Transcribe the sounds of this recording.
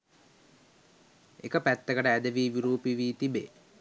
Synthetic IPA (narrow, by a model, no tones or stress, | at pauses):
ekəpæt̪ːəkəʈəæd̪əʋiːʋiɾuːpiʋiːt̪ibḛ